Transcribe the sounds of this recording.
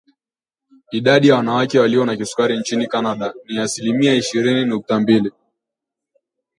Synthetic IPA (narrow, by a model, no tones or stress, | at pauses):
iɗaɗijawanawakɛwaliɔnakisu̥kaɾint͡ʃinikanaɗaniasilimiaiʃiɾininuk̚tambili